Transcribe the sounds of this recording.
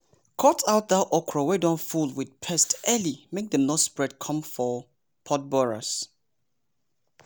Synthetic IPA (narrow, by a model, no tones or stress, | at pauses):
kʰɔtʰaʊt̚ðaʔɔkʰɹɔwɛdɔ̃nfulˠwɪd̚pʰɛstɛlimek̚ðɛ̃mnɔspɹɛd̚kʰʌ̃mfɔ | pʰɔt̚bɔɹa̰s